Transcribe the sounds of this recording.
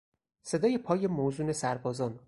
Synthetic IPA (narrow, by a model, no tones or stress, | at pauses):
se̞d̪ɒːje̞pʰɒːje̞mozuːne̞sæɾbɒːzɒːn